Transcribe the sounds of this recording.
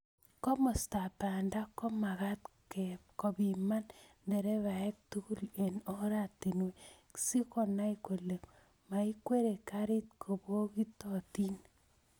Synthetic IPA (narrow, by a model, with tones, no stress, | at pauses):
kɔ˦mɔ˨sta˨pa˨nda˦kɔ˦ma˨ɣa˦tkɛ˨p̚kɔ˨bi˨ma˦nndɛ˨ɾɛ˦βa˨ɛ˦k̚tu˦ku˦le˨no˦ɾa˦ti˨nwe˨ki̥si˦ko˦˨na˦iko˨le˨k | ma˨i˦kwe˦ɾe˨kaɾi˦tkʰo˨bo˦ki˦tɔ˨ti˦n